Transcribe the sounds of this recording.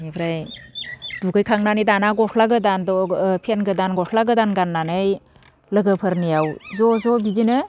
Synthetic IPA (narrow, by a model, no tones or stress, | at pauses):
nipʰɾaj | duɡɯjkʰaŋnanɯdanaɡɔsʰlaɡɯdandɔpʰenɡɯdanɡɔsʰlaɡɯdanɡanːanɯj | lɯɡɯpʰɯɾnijawzɔzɔbidinɯ